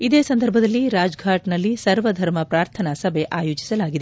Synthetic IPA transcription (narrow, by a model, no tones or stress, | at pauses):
id̪eːsɐnd̪ʱɐɾbʱɐd̪ɐlːiɾaːd͡ʒɡʱaːʈnɐlːisɐɾʋɐd̪ʱɐɾmɐpɾaːɾt̪ʰɐnɐsɐbʱe̞ʔaːjoːd͡ʒi̥sɐlaːɡid̪e